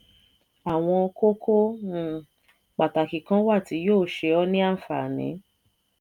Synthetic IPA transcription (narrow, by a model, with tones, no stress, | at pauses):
a˨w̃ɔ̃˧ko˦kʰõ˦ | k͡pa˨ta˨ki˨kã˦wa˦˨ti˨˦joː˦˨ʃe˧ɔ˦nĩ˦a˦˨fa̰˨nḭ̃˨˦